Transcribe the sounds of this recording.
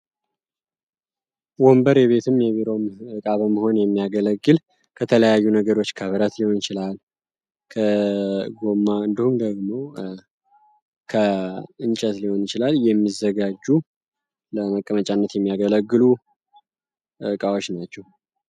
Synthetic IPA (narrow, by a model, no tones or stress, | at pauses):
wombəɾɛβe̞t̪ʰɨmjɛβiɾo̞mɨkʼaβəməho̞njɛmːijaɡələɡːɨl | kʰət̪ʰələjajːunəɡəɾo̞t͡ʃːkʰəβəɾət̪liho̞njɪt͡ʃɪlal | kʰəɡo̞mːaɨnd̪ihumd̪əɡmo̞ | kʰəɨnt͡ʃʼət̪liho̞njɪt͡ʃɪlaljɛmːizːəɡad͡ʒːu | ləməkʼːəmət͡ʃʼanːət̪jɛmːijaɡələɡːɨlu | kʼawot͡ʃnat͡ʃːɛh